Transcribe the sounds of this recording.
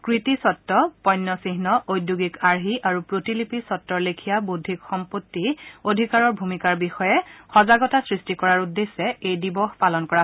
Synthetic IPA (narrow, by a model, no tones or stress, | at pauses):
kɹitisɔtːɔpɔjnːɔsiɦnɔʔojdjuɡikaɹɦiʔaɹupɹotilipisɔtːɔɹlekʰijabudʱːikxɔmpotːiodʱikaɹɔɹbʱumikaɹbixɔjɛxɔzaɡɔtasɹistikɔɹaɹudːesːɛejdibɔxpalɔnkɔɹa